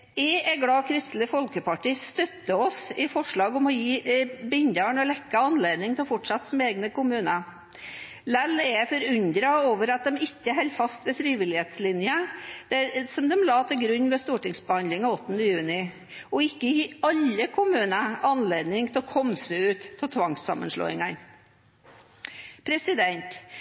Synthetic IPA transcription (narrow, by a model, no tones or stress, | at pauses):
ɛɛɡlɑːkʰɾɪst̪ləfɔlkəpɑʈiːst̪œt̪ːəɔsɪfɔʂɭɑːɡɔmɔjiːbɪnd̪əɳɔlɛkːəɑnleːd̪nɪŋt̪ʰɪlɔfɔʈʂɑt̪ːsɔmeːɡnəkʊmʉːnə | lɛlːɛfɔɾʉnd̪ɾɑoːʋəɾɑt̪̚d̪ɛmɪkːəɦɛlfɑst̪ʋɛfɾiːʋɪlɪheːt̪slɪnjəd̪̥æsɔmd̪ɛmlɑːt̪ʰɪlɡɾʉɲːʋɛst̪uːʈɪŋsbəhɑnd̪lɪŋɑɔt̪ːənd̪əjʉːnɪ | ɔɪkːəjiɑlːəkʰʊmʉːnəʔɑnleːd̪nɪŋt̪ʰɛlɔkʰɔmsəʉːt̪ʰːɑlt̪ʰʋɑŋsɑ̰mə̰nʂlo̰ːɪ̰ŋɑn | pʰɾɛsɪd̪ɛnt̪